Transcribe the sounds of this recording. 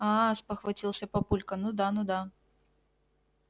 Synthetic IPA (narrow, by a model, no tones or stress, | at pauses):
aspəxvɐtʲilˠsʲəpɐpulʲkɐnud̪anud̪a